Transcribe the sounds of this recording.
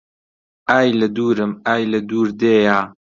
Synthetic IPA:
ʔaːjlɐd̪uːɾɨmaːjlɐd̪uːɾd̪eːjaː

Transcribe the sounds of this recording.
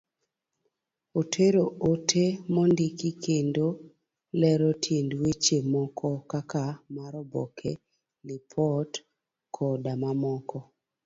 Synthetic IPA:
otʰeɾootʰemɔndikikendo | lɛɾɔtʰjendwet͡ʃemɔkʰɔkakamaɾɔbɔ̰kʰe | lɪpʰɔt | kʰɔdamamɔkʰɔ

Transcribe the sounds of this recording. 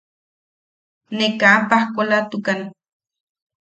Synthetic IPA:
nekampahkolat̪ukan

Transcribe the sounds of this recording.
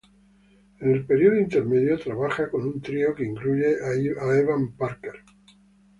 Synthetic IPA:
ene̞lpe̞ɾjioðoint̪e̞ɾme̞ðjot̪ɾaβaxako̞nunt̪ɾiokeiŋkluʝe̞ʔaeβampaɾkeɾ

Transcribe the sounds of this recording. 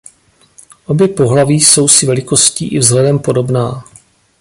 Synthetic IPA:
ʔo̞bjɛpo̞ɦlaviːso̞wsɪvɛlɪko̞scḭːʔɪvzɦlɛdɛmpo̞do̞bnaː

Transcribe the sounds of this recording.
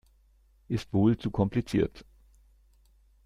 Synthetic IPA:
ʔɪstv̥oːlt͡sukʰɔmplit͡sḭːɐt

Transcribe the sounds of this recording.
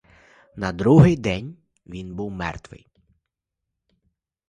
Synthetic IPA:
nɐd̪ɾuɦɪjd̪ɛnʲ | ʋʲinbuwmɛ̰rt̪ʋɪ̰j

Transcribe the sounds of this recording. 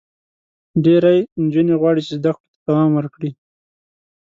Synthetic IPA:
ɖeɾajnd͡ʒuneɣwɑɽit͡ʃezd̪akʈo̥t̪ḁt̪awɑmwəɾkɽi

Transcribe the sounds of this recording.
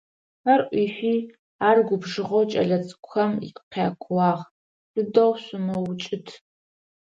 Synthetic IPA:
arʔʷiːʃʷiː | aːrɡʷʊbʐɨʁowt͡ʃʼɐ̰ɮɐt͡sʼkʷxɐmḭqqaːkʷʰwɑːʁ | sɨdɐwɕʷʊmɐwt͡ʃʼɪtʰ

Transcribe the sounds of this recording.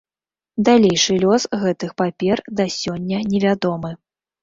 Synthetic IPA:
d̪alʲejʂɨlʲɔsɣɛt̪ɨxpapʲɛrd̪ɐsʲɔnʲːɐnʲɛvʲad̪ɔmɨ

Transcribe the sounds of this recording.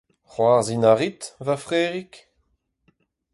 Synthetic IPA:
χwaʁzinaʁit̪vafʁeːʁik

